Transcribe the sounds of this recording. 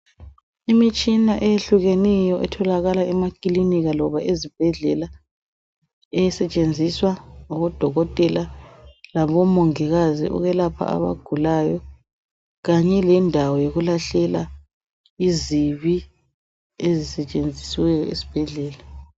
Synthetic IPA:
imit͡ʃʼinaʔɛjeɬuɣenijɔʔɛtʰɔlaɣalaɛmakʼiliniɣalɔβaʔezib̥ʱɛɮɛla | ɛjsɛt͡ʃʼend͡zʱiswaŋɔβɔd̥ʱɔɣɔtʼɛlalaβɔmoŋiɣazḭʔṵɣɛlapʰa̰a̰βa̰ɡ̥ʱulaːjɔ | ɣaɲɛlɛndʱawɔjoɣulaɬɛla | iziβi | ezisɛt͡ʃʼend͡zʱiswɛjɔesi̥b̥ʱɛɮɛːla

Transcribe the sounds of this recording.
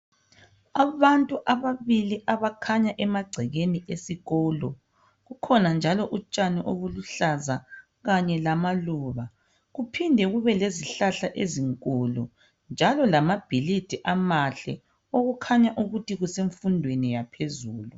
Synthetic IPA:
aβantʼuʔaβaβiliʔaβakʰaɲaʔɛmaɡ͡ǀʱɛɣeniʔesiɣɔːlɔ̰ | ɣukʰɔnand͡ʒʱalɔʔut͡ʃʼaniʔoβuluɬaza | ɣaɲɛlamaluβa | ɣupʰindʱɛɣuβɛleziɬaɬaʔeziŋkʼulṵ | nd͡ʒʱalɔlamab̥ʱilid̥ʱiʔamaɬɛ̰ | oɣukʰaɲaʔuɣutiɣuseɱfundʱwenijapʰezuːlu

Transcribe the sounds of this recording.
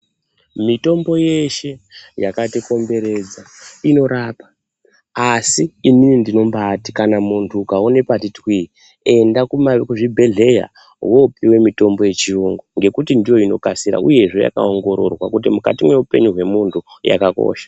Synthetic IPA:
mito̞mbo̞je̞ʃe̞jakatiko̞mbe̞ɾe̞d͡za | ino̞ɾaːpa | asiiminindino̞mbaːti̥kanamuntʰukaone̞patitwi | e̞ndakumakuʐibʱe̞ɮe̞ja̰ | wopiwe̞mito̞mbo̞je̞t͡ʃiuŋɡoŋɡe̞kutindijo̞ino̞̰kasiɾa̰uje̞ʐe̞ja̰ka̰oŋɡo̞ɾo̞̰rwakutimuka̰timwe̞upe̞̰ɲuɦwe̞muntʰuja̰kako̰ːʃḁ

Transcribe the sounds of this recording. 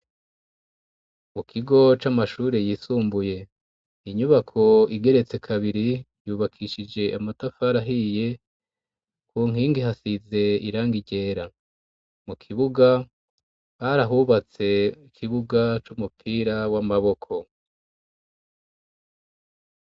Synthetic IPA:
mukʰiɡo̞t͡ʃamaʃuːɾejiːsuːmbuje̞ | iɲuβakʰo̞iɡe̞ɾe̞t͡se̞kʰaβiɾi | juːβakʰiʃid͡ʒe̞ʔamatafaɾaɦije̞ | kuːŋ̥iːŋɡiɦasize̞iɾaːŋɡiɟe̞ːɾa | mukʰiβuɡa | haɾaɦuβat͡se̞ikʰiβuɡat͡ʃumupʰiːɾawamaβo̞kʰo̞

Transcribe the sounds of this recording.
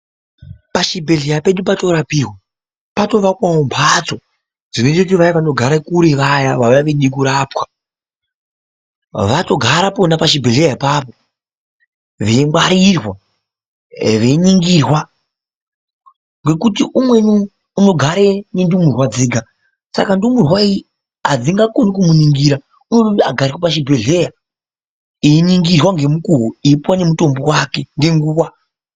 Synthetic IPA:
paʃibʱe̞ɮejape̞ɗupato̞ɾapirwa | pato̞ʋakwaombʰʱat͡so | d͡zinetekutiʋajaʋano̞ɡʱaɾakuɾiʋajaʋaʋaʋeɗik̬uɾaːpwa | ʋato̞ɡʱaɾaponapaʃibʱeɮejaipaːpo | ʋe̞mwaɾirwa | ʋe̞ɲiŋɡirwa | ŋɡe̞kutiʔumwe̞nuː | no̞ɡʱaɾenendumurwad͡zeːɡʱa | sa̰kandumurwai | ad͡ziŋɡakonikumuniŋɡiɾa | unoaɡʱarɾirwapaʃibʱe̞ɮe̞ja | iːɲiŋɡirwaŋɡe̞mukuɦoipwane̞muto̞mbowakenɡe̞ŋɡuːwa

